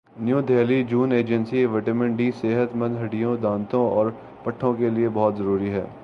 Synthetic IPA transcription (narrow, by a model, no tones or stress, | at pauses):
njuːd̪ʱeːlid͡ʒuːneːd͡ʒə̃nsiʋɛʈəmɛ̃ɳɖiseːɦət̪mɐ̃nd̪ʱɦɐɽijõd̪ãːnt̪õɔːɾ | pɐʈʰːõkeliebɔːt̪zɐɾuːɾiɦɛ̰ː